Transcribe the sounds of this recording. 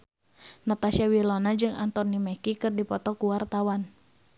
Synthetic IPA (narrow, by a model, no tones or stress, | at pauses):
nat̪asiawilɔnad͡ʒɨŋa̰nt̪ɔnimɛkikɨrdipɔt̪ɔkuwart̪awan